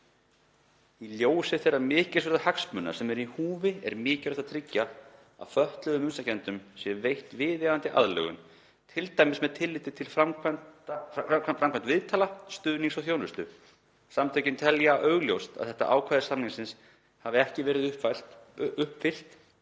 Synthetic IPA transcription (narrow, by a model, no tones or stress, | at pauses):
iljoːwsɪθerːamɪːcɪ̥svɛɾðahaksmʏnːa̰sɛmɛɾihuːvɪɛ̰ɾmɪːcʏɾɛht̪at̪ʰɾɪcːa | a̰ðfœht̪lœðʏmʏnsacʰɛnt̪ʏmsjɛvejht̪vɪːðjaðant̪ɪʔa̰ðlɛ̰ːɣʏ̰m | t̪ʰɪlt̪ajmɪsmɛðt̪ʰɪlːɪːt̪ɪt̪ʰɪlfamkʰanaaafɾamkʰɛnt̪vɪðt̪ʰaːlast̪ʏðniŋsaθjownvʏst̪ʏ | samt̪ʰœjcɪnt̪ʰɛljaʔœːɣljowst̪a̰θɛht̪a̰ʔaːwkʰvaːjðɪsamniŋsɪns | havɪɛhcɪvɛːɾɪð | ʏhpfɪl̥t̪